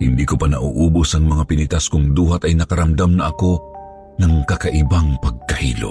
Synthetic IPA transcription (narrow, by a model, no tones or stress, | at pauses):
hɪnd̪iːkopanɐʔṵʔuːbʊsɐŋmɐŋapɪnɪt̪askʊŋd̪uːɦat̪ɐjnɐkɐɾɐmd̪amnɐʔɐko̞ | nɐŋkɐkaʔɪbaŋpɐɡ̚kɐhḭːlo̰